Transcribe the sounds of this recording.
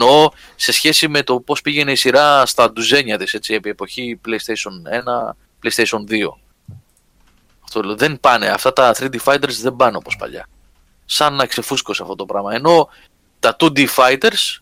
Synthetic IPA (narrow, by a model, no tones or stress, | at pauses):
no̞ | se̞sçe̞sime̞t̪o̞po̞spiʝe̞ne̞isiɾɐst̪ɐd̪uze̞ɲɐt̪ise̞t͡sie̞pie̞po̞çiple̞ist̪eso̞ne̞nɐ | ple̞jst̪eso̞nðio̞̰ | ɐft̪oloðe̞npɐne̞̰ɐ̰ft̪ɐt̪ɐθɾid̪ifɐit̪eɾzðe̞mbɐno̞po̞spɐ̰ʎɐ̰ | sɐnːɐkse̞fusko̞seɐ̰ft̪o̞t̪opɾɐmɐe̞no̞ | t̪ɐt̪ud̪ifɐit̪e̞ɾs